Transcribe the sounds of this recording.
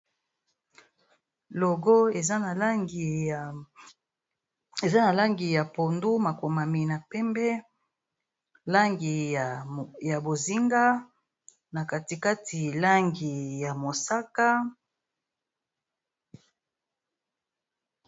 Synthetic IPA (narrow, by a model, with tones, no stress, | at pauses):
lo˨ɡo˦e˨za˦na˨la˦ŋɡi˨ | e˨za˦na˨la˦ŋɡi˨ja˨po˨ndu˦ma˨ko˨ma˨mi˨na˨pɛ˦mbɛ˦ | la˦ŋɡi˨ | ja˨bo˨zi˦ŋɡa˦ | na˨ka˨ti˨ka˦ti˨la˦ŋɡi˨ja˨mo˨sa˦ka˦